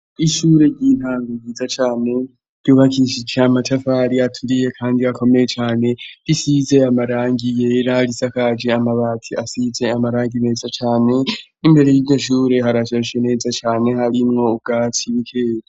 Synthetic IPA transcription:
iʃuːɾe̞ɾɟiːn̥aːŋɡuiːzat͡ʃaːne̞ | d̥juβakiʃid͡ʒeamatʰafaɾiatʰuɾije̞kʰaːndiako̞me̞je̞t͡ʃaːne̞ɾisize̞amaɾaːŋɡije̞ɾalisakad͡ʒe̞amaβaːtʰiasize̞amaɾaːŋɡime̞ːzat͡ʃaːne̞ | imbe̞ɾe̞jiɟo̞ʃuːɾe̞ɦaɾat͡ʃaʃene̞ːzat͡ʃaːne̞haɾimŋo̞ubɡ̥aːtʰiβikʰe̞ːɾa

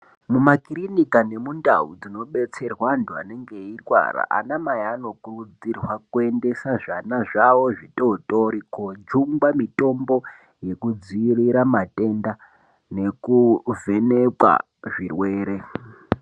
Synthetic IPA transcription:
mumakirinikane̞mundaud͡zino̞ɓe̞t͡se̞rwantʰua̰ne̞ŋɡe̞irwa̰ra̰ʔa̰namajaːno̞kurud͡zirwakue̞nde̞saʐanaʐawo̞ʐito̞to̞ɾikod͡ʒuŋɡwamito̞mbo̞ | je̞kud͡ziriɾamatʼe̞nda | ne̞kuve̞ne̞kwa̰ | ʐirwe̞ːɾe̞

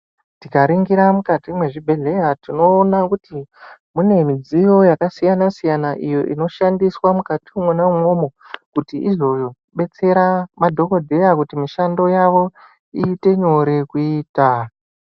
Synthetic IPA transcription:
tikaɾiŋɡiɾamukatimwe̞ʐibʱe̞ɮe̞jatino̞ːnakuti | mune̞mid͡zijo̞jakasijanasijanaʔijo̞ʔino̞ʃandiswamukatiumwenamwo̞mo̞ | kutiʔizo̞ | ɓe̞t͡se̞ɾamadʱo̞ko̞dʱe̞jakutimiʃando̞jaʋo̞ | iːte̞ɲo̞ɾe̞kuiːta

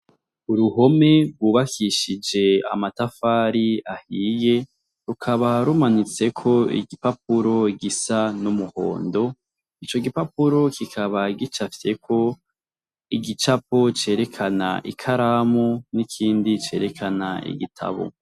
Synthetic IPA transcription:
uɾuɦo̞me̞ɾɡwuβakʰiʃid͡ʒe̞a̰matafaːɾiahiːje̞ | ɾukʰaβaɾumanit͡se̞kʰo̞ḭɡipap̚uɾo̞ɡisanumuho̞̰ːndo̞ | it͡ʃo̞ɡipapuɾo̞kʰikʰaβaiɡit͡ʃafie̞kʰo̞ | iɡit͡ʃap̚o̞t͡ʃe̞ːɾe̞kʰana̰ʔḭkʰaɾamonikʰiːndit͡ʃe̞̰ːɾe̞kʰana̰ḭɡitʰa̰βo̰

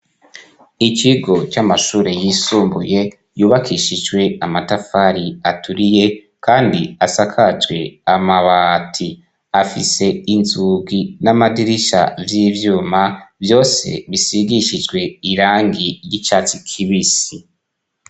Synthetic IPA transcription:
it͡ʃiɡo̞t͡ʃamaʃuːɾe̞jisuːmbuje̞ | juːβakʰiʃid͡ʒɡwe̞amatafaɾiatʰuɾije̞ | kʰaːndiasakʰad͡ʒɡwe̞amaβatʰi | afise̞inzuɡinamadiɾiʃa̰vjiːvjuːmavjo̞ːse̞̰βisiɡiʃid͡ʒɡwe̞iɾaːŋɡijit͡ʃat͡sikʰiβisi

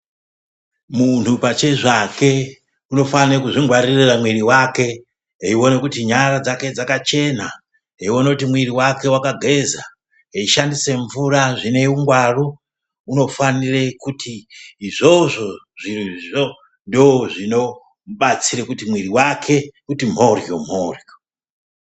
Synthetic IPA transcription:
mun̤upat͡ʃe̞ʐake̞ | uno̞fanekuʐiŋɡwaririramwiriwake̞ | ɦeiwo̞ne̞kutiɲaɾad͡zake̞d͡zakat͡ʃe̞na | ɦeiwo̞nekutimwiɾiwake̞wakaɡʱe̞za | ɦeiʃandise̞ɱvuraʐine̞uŋɡwaru | uno̞fanirekutʰiːʐo̞ʐo̞ | ʐiriʐo | ndooʐino̞ | ɓat͡sirekutimwiriwakʰe̞kutim̤o̞rjom̤oːrjo

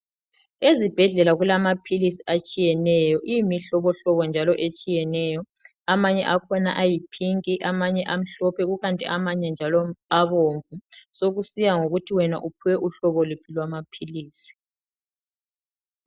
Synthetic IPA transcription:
ezib̥ʱɛɮɛlaɣulamapʰilisiat͡ʃʼijɛnɛjɔʔiimiɬɔβɔɬɔβɔnd͡ʒʱalɔʔet͡ʃʼijɛnɛːjɔ | amaɲɛʔakʰɔnaʔajipʰiŋkʼiʔamaɲɛʔam̩ɬɔpʰɛɣuɣantʼḭʔamaɲɛnd͡ʒʱalɔaβoɱvusoɣusijaŋoɣutʰiwɛna̰ʔupʰuwɛʔuɬɔβɔlupʰilwamapʰiliːsi̥

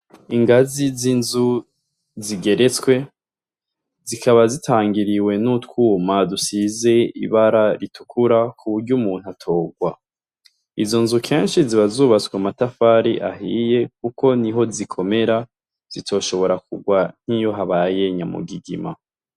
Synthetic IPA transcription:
iŋɡazizinzu | ziɡe̞ɾe̞t͡skwe̞ | zikaβazitʰaːŋɡiɾiwe̞nutkwuːmadusize̞ḭβaɾaɾitʰu̥kʰuɾakʰuβuɾɟumuːn̥uatʰo̞ːɡwa | izo̞nzukʰe̞ːnʃiziβazuːβat͡swamatafaːɾiʔa̰ɦije̞k̚uko̞niɦo̞zikʰo̞me̞ɾa | z̥itʰo̞ːʃo̞βo̞ɾakuɡwan̥hijo̞ɦaβaaje̞ɲamṵɡiɡḭma̰

